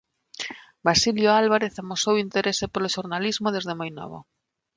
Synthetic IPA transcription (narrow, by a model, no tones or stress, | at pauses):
basiljoalβaɾeθamosowint̪eɾesepoloʃoɾnalizmoðezðemajnɔ̰β̞o̰